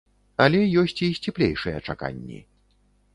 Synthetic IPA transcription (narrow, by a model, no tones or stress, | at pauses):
ɐlʲɛjɔsʲt͡sʲisʲt͡sʲɛplʲejʂɨjɛt͡ʂaka̰nʲːḭ